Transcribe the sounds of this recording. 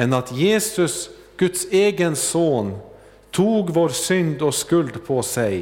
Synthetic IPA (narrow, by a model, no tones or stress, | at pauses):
ɛnɑt̪jeːsʉs | ɡ̥ʉt̪seːɡənsoːn | t̪ʰuːɡʋoːɾsʏnd̪oːskʉld̪pʰoːsæɪ